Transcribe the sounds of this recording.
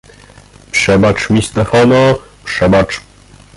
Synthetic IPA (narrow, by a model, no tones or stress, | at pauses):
pʂɛbat͡ʂmʲist̪ɛfɔnɔpʂɛbat͡ʂ